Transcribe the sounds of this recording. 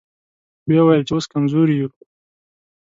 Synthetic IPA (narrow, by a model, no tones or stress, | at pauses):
bjawajəlt͡ʃewoskamzuɾju